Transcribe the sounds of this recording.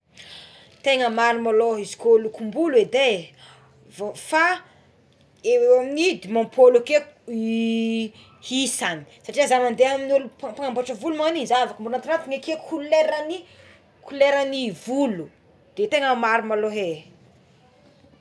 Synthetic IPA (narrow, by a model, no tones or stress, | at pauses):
t̪eŋəmaɾimaloɦizi̥kolukumbulwed̪e | fa | eaminid̪imãmpʰoluke | hisani̥saʈ͡ʂiəzanand̪eaminulupapaŋamboʈ͡ʂəvulumanizavakəmbulnant̪inat̪iŋekekʰuleɾani | kʰuleɾənivulu | d̪̥et̪eŋəmaɾimaloɦe